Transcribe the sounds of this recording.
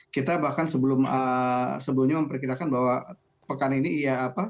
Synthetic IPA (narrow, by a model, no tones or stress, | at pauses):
kit̪abahkansəbəlʊməsəbəlʊmɲaməmpərkiɾakanbawa | pəkaninijaːpa